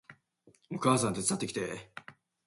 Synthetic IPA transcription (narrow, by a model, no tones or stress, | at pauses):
okaːsãnt̪et͡sɨ̥t̪at̪ːekʲi̥t̪e